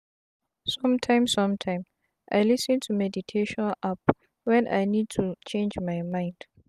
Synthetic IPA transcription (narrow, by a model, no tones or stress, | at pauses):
sɔ̃mtʰãɪ̃msãmtʰãɪ̃m | ʔajlɪsɨ̃ntʰumɛditʰeʃɔ̃nʔap | wɛ̃nʔa̰jnid̚tʰut͡ʃẽnd͡ʒmajmãɪ̃nd̥